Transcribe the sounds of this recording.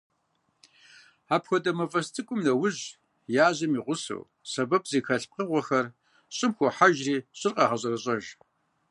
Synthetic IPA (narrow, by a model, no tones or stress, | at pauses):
aːpxʷɔdɐmɐfʼɐstʰʼɨkʷʼʊmnɐwʊʑ | jaːʑɐmiːʁʷʊsɐ̰w | sɐbɐp̚ʰʼz̥eːxɐɬp̚qəʁʷɔxɐr | ɕʼɪmxʷɔħaʒriːɕʼɪrqʼɑːʁɐɕ̬ʼɐrɐɕʼɐʒ